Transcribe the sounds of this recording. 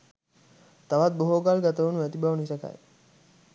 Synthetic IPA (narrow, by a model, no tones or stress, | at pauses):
t̪aʋat̪̚boɦoːɡalɡat̪əʋunuæt̪ibaʋunisɐka̰j